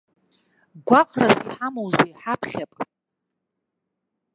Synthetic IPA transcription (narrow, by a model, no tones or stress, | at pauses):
ɡʷaqʼʰrasiħamowzejħapʰχʲapʼ